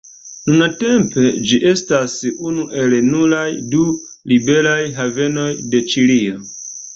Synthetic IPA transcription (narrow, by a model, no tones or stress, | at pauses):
nunate̞mpe̞d͡ʒiʔe̞stasunuʔe̞lnulajdu | libe̞ɾajɦave̞no̞jde̞t͡ʃilio